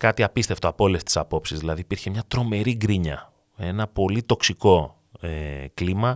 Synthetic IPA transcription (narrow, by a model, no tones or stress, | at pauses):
kɐt̪iɐpist̪e̞ft̪oɐpole̞st̪i̥sɐpo̞psizðilɐðiːpiɾçemɲɐt̪ɾo̞me̞ɾiɡɾiɲɐ | e̞nɐpo̞lit̪o̞ksiko̞ | eklimɐ